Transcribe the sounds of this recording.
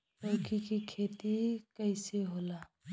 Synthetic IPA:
tokikikʰeːt̪ikəɪseɦoːlaː

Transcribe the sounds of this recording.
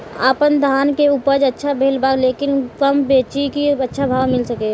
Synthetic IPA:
aːpənd̪ʱaːnkeupəɾd͡ʒətːʃʰabʱeːlbaːɡleːkɪnkəmbeːt͡ʃikiətːʃʰabʱaːʋmɪlsəke

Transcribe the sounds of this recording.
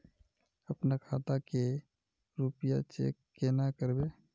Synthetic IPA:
əpnakʰaːt̪ake | ɾupja̰t͡ʃḛːkːenakəɾbe

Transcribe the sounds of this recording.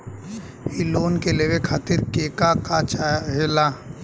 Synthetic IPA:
hiloːnkeleʋekʰaːt̪ɪɾkeːkakat͡ʃaɦela

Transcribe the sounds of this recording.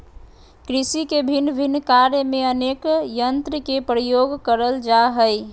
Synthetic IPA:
kɾisikebʱinːbʱinːkaɾjəmeənekjənt̪ɾəkepɾəjoɡkəɾəld͡ʒaɦəj

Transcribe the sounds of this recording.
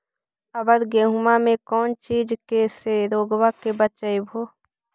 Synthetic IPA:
əbəɾɡeːɦumamẽkɔːnt͡ʃiːd͡ʒkeseɾoːɡwakebət͡ʃəebʱoː

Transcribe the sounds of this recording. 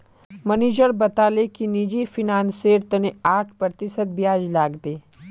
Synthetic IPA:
məneːd͡ʒəɾbɐt̪aːlekinid͡ʒifʰinãːnseːɾt̪ɐneaːʈʰpɾət̪ɪsəd̪̚bijaːd͡ʒlaːɡbeː

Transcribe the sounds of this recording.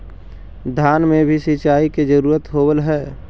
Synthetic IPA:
d̪ʱjaːnmẽbʱisɪt͡ʃaːiked͡ʒəɾuːɾət̪ɦoːbəlɦɛː

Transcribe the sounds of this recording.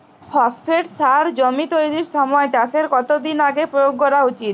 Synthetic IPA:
fʰɔspʰeʈsaɾd͡ʑomit̪ojɾiɾʃɔmɔet͡ɕaseɾkɔt̪od̪inaɡepɾojoɡ̚ːɔɾaut͡ɕit̪̚

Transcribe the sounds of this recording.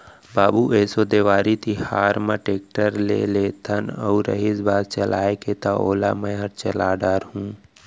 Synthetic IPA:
baːbuʔɛːsod̪eːʋaːɾit̪ʰihaːɾmãʈeːk̚ʈəɾlḛleːt̪ʰənə̰uɾə̰ɦisbaːd̪t͡ʃəlaːeket̪aoːla̰məjaɾt͡ʃəlaːɖəɾɦũː

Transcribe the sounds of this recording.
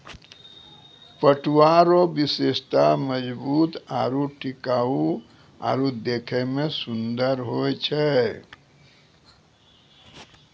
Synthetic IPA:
pəʈʰuwaɾobisest̪aməd͡ʒbuːt̪aɾuʈikau | a̰ːɾud̪ekʰɛmesund̪əɾɦojt͡ʃʰɛ

